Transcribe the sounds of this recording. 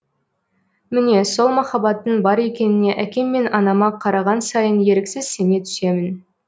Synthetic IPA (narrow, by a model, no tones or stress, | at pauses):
mɪne̞so̞lˠmɑχɑbɑt̪ːəɴbɑɾe̞kʲe̞nɪne̞ʔækʲe̞mːe̞nɑnɑmɑqʰɑɾɑʁɑnsɑjənje̞ɾɪksɪz̥se̞ne̞t̪ʰʏ̥se̞mɪn